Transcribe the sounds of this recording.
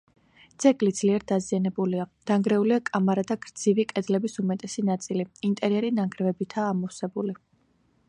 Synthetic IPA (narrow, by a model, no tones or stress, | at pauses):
d̪z̥ɛɡlid̪z̥liɛɾd̪azianɛbuliad̪̥aŋɡɾɛuliakʼamaɾad̪aɡ̥ɾd̪z̥ivikʼɛd̪lɛbisumɛt̪ʼɛsinat̪sʼiliint̪ʼɛɾiɛɾinaŋɡɾvɛbit̪ʰaːmɔwsɛbuli